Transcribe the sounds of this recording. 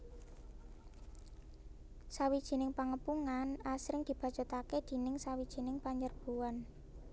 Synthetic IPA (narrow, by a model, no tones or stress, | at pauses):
sawid̥ʒ̥i̤nɪŋpaŋəpuŋanasɾɪŋd̪̥i̤b̥a̤̥t͡ʃɔ̤t̪aked̪̥i̤nɪŋsawid̥ʒ̥i̤nɪŋpaɲd͡ʒərb̥ṳwan